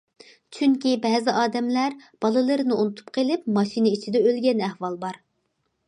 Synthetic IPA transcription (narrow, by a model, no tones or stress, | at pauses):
t͡ʃʰyŋkʲibɛzɪʔɑːd̪ɛmlæɾb̥ɑlˠɨlˠɨɾɨnɨunut̪ʰu̥p̚qʰelˠɪp̚mɑʃinɨit͡ʃʰid̪ɛølɡʲɛnæhwɑlˠbɑɾ